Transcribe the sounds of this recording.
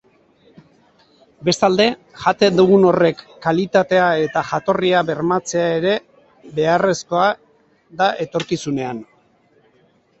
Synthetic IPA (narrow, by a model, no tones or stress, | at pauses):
be̞st̪ald̪e̞ | ʝat̪e̞nd̪uɣuno̞re̞kːalit̪at̪e̞ae̞t̪aʝat̪o̞riaβe̞ɾmat͡se̞ae̞ɾe̞ | be̞are̞sko̞a | ðaʔe̞t̪o̞ɾkisune̞an